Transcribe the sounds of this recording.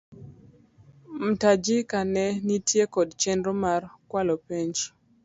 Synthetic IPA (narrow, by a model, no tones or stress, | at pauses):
m̩tad͡ʒɪkanɛnitjekɔdt͡ʃɛnɾomarkwalopeɲd͡ʒ